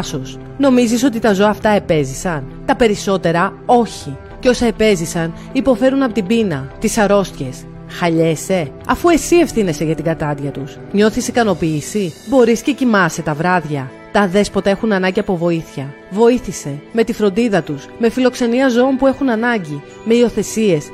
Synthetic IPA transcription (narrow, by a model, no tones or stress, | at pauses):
so̞s | no̞mizis̬o̞t̪it̪ɐzo̞ɐːft̪ɐe̞pe̞zisɐnt̪ɐpe̞ɾiso̞t̪e̞ɾɐo̞çi | ceo̞sɐe̞pe̞zisɐn | ipo̞fe̞ɾunɐpo̞t̪ibinɐt̪isɐɾo̞st̪çe̞s | xɐʎe̞se̞ɐfue̞sie̞fθine̞se̞ʝɐt̪iɡɐt̪ɐd̪ʝɐt̪us | ɲo̞θisikɐno̞piːsibo̞ɾisce̞cimɐse̞t̪ɐvɾɐðʝɐ | t̪ɐðe̞spo̞t̪ɐe̞xunɐnɐɲɟiɐpo̞vo̞iθçɐ | vo̞iθise̞me̞t̪ifɾo̞nd̪iðɐt̪usme̞filo̞kse̞niɐzo̞ompue̞xunɐnɐɲɟi | me̞io̞θe̞sie̞s